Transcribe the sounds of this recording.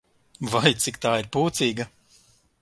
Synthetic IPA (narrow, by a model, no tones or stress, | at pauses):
vajt̪sikt̪aːiɾpuːt̪siːɡɐ